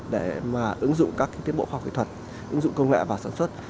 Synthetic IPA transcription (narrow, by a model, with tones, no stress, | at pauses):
ɗe˧˩maː˨˩ʔɨ˨˦ŋzʊ̰˧˨ŋ͡mkaː˦˥ki˧˦t̪i˦əmɓo̰˧˨xwaː˧˩wkḭ˧˨t̪ʰə˨˩t̚ | ʔɨ˨˦ŋzʊ̰˧˨ŋ͡mkə˧wŋḛ˧˨vaː˨˩saː˧˩nswə˦˥t̚